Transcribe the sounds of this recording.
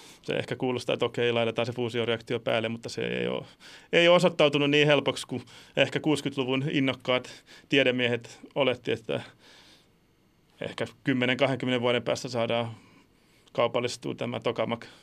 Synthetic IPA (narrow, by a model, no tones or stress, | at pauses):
sḛḛhkækuːlost̪ɑ̰ḛt̪okeiilɑit̪et̪ɑːsefuːsioreɑkt̪iopæ̰ːlːemut̪ːɑsḛḛio̰ːeiosot̪ːɑut̪ununniːhelpokskuehkækuːskyt̪luʋuninːokːɑːt̪t̪ieɾemmːiehet̪olet̪ːiet̪ːæ̰ | ḛhkækymːeneŋkɑheŋkymːeneʋʋuɑɾempæ̰ːst̪æsɑːdɑː | kɑupɑlːˑist̪ṵːt̪æmæ̰t̪okɑmɑk